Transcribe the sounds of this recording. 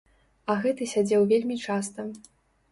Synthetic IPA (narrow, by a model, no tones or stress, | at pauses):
ɐɣɛt̪ɨsʲad͡zʲɛwvʲelʲmʲit͡ʂast̪ɐ